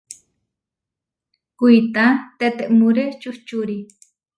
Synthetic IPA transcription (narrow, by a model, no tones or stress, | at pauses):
kuit̪at̪et̪eʔmuɾet͡ʃuht͡ʃuɾi